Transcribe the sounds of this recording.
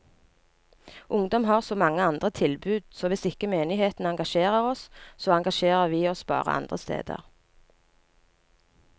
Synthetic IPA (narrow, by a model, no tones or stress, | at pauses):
ʔʊŋd̪ɔmɦɑːʁsoːmɑŋːəɑnd̪ʁət̪ʰɪlbʉːd̪̥soːʋɪsɪkəmeːnɪheːt̪n̩ɑŋɡɑʃeːʁəʁɔssoːɑŋɡɑʃeːʁəʁʋiːɔsb̥ɑ̰ːʁə̰ʔɑ̰nd̪ʁəst̪ḛːd̪ə̰ʁ